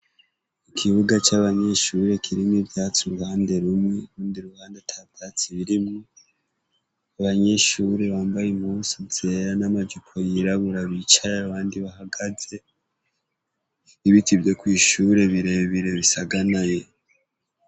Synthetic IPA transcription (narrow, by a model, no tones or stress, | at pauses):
ikʰiβuɡat͡ʃaβaɲe̞ʃuɾe̞kʰiɾimibjaːt͡suɾuhaːnde̞ɾumŋwe̞ɾuːndiɾuhaːnde̞tʰatʰat͡siβiɾimu | aβaɲe̞ʃuːɾe̞βaːmbajem̥huːsizeɾanamad͡ʒukʰo̞jiɾaβuɾaβit͡ʃajeaβaːndiβahaɡaze̞ | iβitʰibjo̞kwiːʃuːɾe̞βiɾe̞ββiɾe̞βisaɡanaje̞